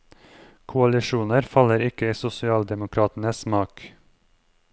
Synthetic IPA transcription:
kʰʊɑlɪʃuːnəɾfɑləɾɪkəiːsʊsɪɑːld̪ɛmʊkʰɾɑːt̪n̩əsmɑːk

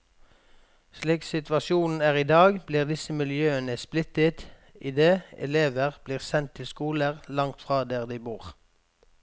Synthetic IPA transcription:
ʃliːksɪt̪ʋɑʃɪuːnn̩æːʁiːd̪ɑːɡbliːʁd̪ɪsəmɪljøːənəsplɪt̪ət̪ | ʔɪd̪eːɛ̰leːʋəʁbliːʁsɛnt̪ʰːɪlskuːləʁlɑŋt̪fʁɑːd̪æːʁd̪iɪbuːʁ

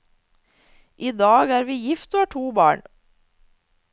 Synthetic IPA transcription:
ʔiːd̪ɑːɡæːɾʋiːjɪft̪oːhɑːʈʰuːbɑ̰ːɳ

